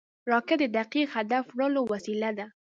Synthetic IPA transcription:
ɾɑkɪd̪əd̪aqiqhad̪afɽəlowasilad̪a

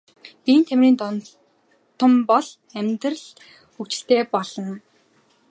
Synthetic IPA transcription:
pĭːnt̪ʰemriːnt̪ | t̪ʰːə̆mpɔɮ | æmʲt̪rə̆ɮ | ukt͡ɕɪ̆ɬt̪eːpɔɮɞ̆n

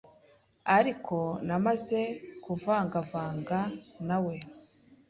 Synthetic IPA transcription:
aɾikʰo̞namaze̞kuvaːŋɡavaːŋɡanawe̞

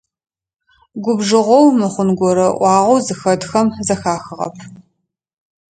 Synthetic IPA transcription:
ɡʷʊbʒɨʁʷɔwmɨχʷʊnɡʷɔɾɐʔʷɑːʁʷowzɨxɐdxɐmzɐxaːxɨʁɐ̰pʰ

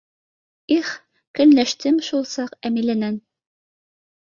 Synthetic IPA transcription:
iχ | kɘ̆nlæʃt̪ɘmʃulˠsɑqæmilænæn

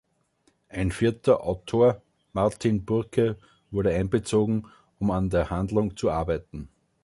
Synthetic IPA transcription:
ʔæɪnfiɐtʰɐʔaʊtʰoːɐ | maʁtʰinbʊɐkʰə | vʊɐɾəæ̃ɪnbət͡soːɡŋ̩ | ʊmandeːɐhãndlʊŋt͡suaɐbæɪtn̩

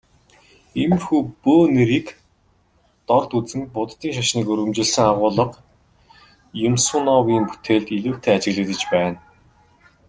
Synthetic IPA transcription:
em̆rxuːpoːneɾiːk | t̪ɔrt̪ut͡sɘ̆ŋpʊt̪ːiːŋʃaʃniːkɵɾɣɘ̆mt͡ɕɪ̆ɮsɘ̆ŋaʁʊːɮə̆q | jʊmsʊːnɔwiːmpu̥t̪ʰeːɮt̪iɮuːkt̪ʰeːat͡ɕɪ̆ɣɮɘ̆t̪ɘ̆t͡ɕpæːn

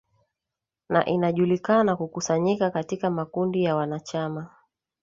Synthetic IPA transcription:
na̰ʔinaʄulikanakukusaɲikakatikamakundijawanat͡ʃama

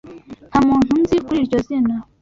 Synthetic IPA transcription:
hamuːn̥hunzikuɾiɾɟozina

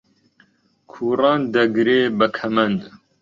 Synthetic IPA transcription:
kʰuːrɑːnd̪ɐɡɾeːbəkʰɐmɐnd̪

